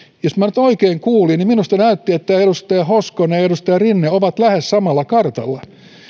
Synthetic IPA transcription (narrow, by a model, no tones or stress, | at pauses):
josmænyt̪oikeːŋkuːlinniminust̪ɑnæyt̪ːiet̪ːæedust̪ɑjɑhoskoneedust̪ɑjɑrinːeoʋɑt̪læhessɑmɑlːɑkɑrt̪ɑlːɑ